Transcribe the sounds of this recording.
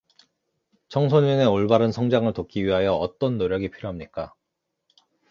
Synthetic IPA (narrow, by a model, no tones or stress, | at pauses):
t͡ɕʰʌŋs̬ʰoɲune̞oɭbaɾɯnsʰʌŋd͡ʑaŋɯɭtok͈iɥiɦajʌʌt͈ʌnːoɾjʌɡipʰiɾjoɦamɲik͈a